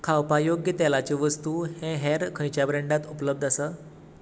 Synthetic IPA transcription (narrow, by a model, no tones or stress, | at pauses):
kʰawpajoɡjət̪ɛlat͡ɕeʋəst̪uːhɛ̃ɦɛɾkʰə̃jt͡ɕjabɾeɳɖat̪upləb̚d̪ʱasəː